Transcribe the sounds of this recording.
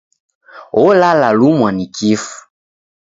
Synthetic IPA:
ɔlalalumwanikifu̥

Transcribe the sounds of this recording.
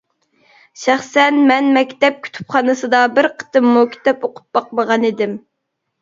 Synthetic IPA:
ʃæχsɛnmɛnmɛkʲt̪ɛp̚kʲʰy̥t̪ʰy̥pχɑnɨsɨd̪ɑbɪɾqʰə̥t̪ɨmːukʲʰi̥t̪ɛpoqʰʊ̥p̚bɑqməʁɑnid̪ɪm

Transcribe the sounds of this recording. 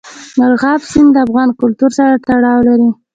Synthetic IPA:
naɾɣɑbsɪnd̪əafɣɑnkʊlt̪uɾsaɾat̪aɽɑwlaɾi

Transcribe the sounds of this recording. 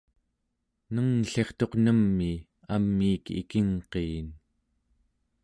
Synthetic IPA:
nəŋɬe̞χt̪o̞qnəmːi | amːiːkḭkiŋqeːn

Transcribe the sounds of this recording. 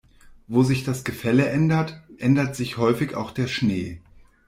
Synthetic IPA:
voːzɪçd̥asɡ̥əfɛləʔɛndɐtʔɛndɐtz̥ɪçhɔʏfɪça̰ʊxd̥eːɐʃneː

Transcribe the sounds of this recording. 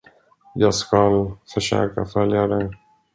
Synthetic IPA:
jɑːɡskalfœʂø̰ːkafœljad̪ɛj

